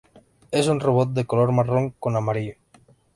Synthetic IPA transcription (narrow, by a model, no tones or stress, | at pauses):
esunroβot̪̚d̪ekoloɾmaroŋkonamaɾio